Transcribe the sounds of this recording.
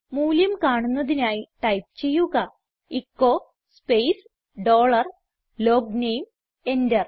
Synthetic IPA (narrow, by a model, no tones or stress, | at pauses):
muːljɐmkaːɳunːɐðinaːjiʈɐjp̚t͡ɕe̞jːuɣɐ | ikːo̞ː | spejs | ɖo̞ːɭɐr | lo̞ːɡnejm | e̞ndɐr